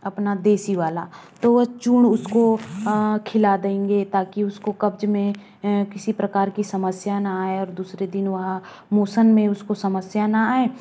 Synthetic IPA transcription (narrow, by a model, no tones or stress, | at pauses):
ɐpnad̪eːsiʋaːla̰t̪oʋɐɦt͡ʃuɳʊsko | kʰɪlad̪eẽːŋɡet̪aːkiʊskokɐbd͡ʒmẽ | kɪsipɾɐkaːɾkisɐməsjanaaːeɔːɾd̪uːsɾed̪ɪnʋɐɦa | moːsənmẽʊskosɐməsjanaaːeː